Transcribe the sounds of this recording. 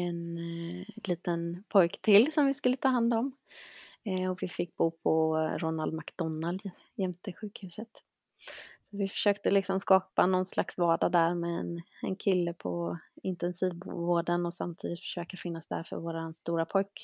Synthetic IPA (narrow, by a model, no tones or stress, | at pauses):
ɛn | liːt̪ənpʰɔjkt̪ʰɪlsɔmvɪskɵlːət̪ʰɑːɦand̪ɔm | ɔvɪfɪkːbuːpʰɔɾɔnald̪makd̪ɔnːal | jɛmt̪ɪɧʉ̟ːkhʉ̟sət̪ | sɔvɪfœ̥ʂøːkt̪əlɪksɔmskɑːpanɔnslaksvɑːɖad̪æɾmɛɛ̰nɛ̰nkʰɪlːəpʰɔ̰ɪnt̪ɛnsiːvvoːɖənɔsamt̪ʰiːd̪ɪt̪fœ̥ʂøːkafɪnːasd̪æ̰ɾfœ̰ɾvoːɾanst̪uːɾapʰɔjk